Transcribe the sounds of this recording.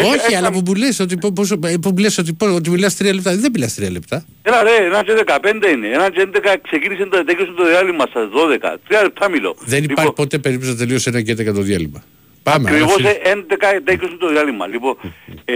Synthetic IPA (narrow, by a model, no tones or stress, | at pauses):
oçiɐlɐpumuleso̞t̪̬ipopospumulesot̪̬ipoot̪̬imilɐst̪ɾiɐlep̚t̪ɐðembilɐst̪ɾiɐlept̪ɐ | enɐleenɐnd͡ʒeðekɐpe̞nd̪eineenɐnd͡ʒend̪ekɐkse̞cinisint̪ot̪ecosint̪oðiɐlimɐst̪ɐðoðekɐ̰t̪ɾiɐlep̚t̪ɐmilo̰ðeniipɐɾçipo̞t̪e̞pe̞ɾip̚t̪os̬ɐt̪elio̞senɐɲcend̪ekɐt̪oðiɐlḭmɐ | pɐmekɾivoseend̪ekɐet̪ecosint̪oðiɐlimɐ̰lipo